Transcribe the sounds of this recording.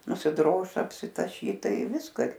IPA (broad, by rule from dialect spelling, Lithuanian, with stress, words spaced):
nʊsʲɪˈdroːʃ ɐpʲsʲɪtɐˈʃʲiːt ˈtɐɪ ˈʋʲɪskɑː ɪr